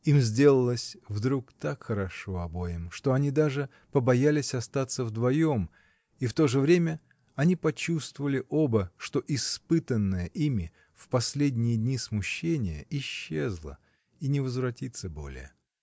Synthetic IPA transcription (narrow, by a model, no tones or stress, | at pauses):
imzʲdʲe̞lˠəlˠəsʲvd̪ɾukt̪akxəɾɐʂo̞ɐbo̞jɪmʂt̪o̞ɐnʲid̪aʐɨ | pəbɐjalʲɪsʲɐst̪at̪səvd̪vɐjo̞m | ift̪o̞ʐɨvɾʲemʲə | ɐnʲipɐt͡ɕust̪vəvəlʲɪʔo̞bəʂt̪o̞ʔɪspɨt̪ənːəjəʔimʲɪ | fpɐsʲlʲedʲnʲɪjəd̪ʲnʲismʊɕːenʲɪjə̰ɪɕːezlˠə̰ | inʲɪvəzvɾɐtʲit̪səbo̞̰lʲɪ̰jə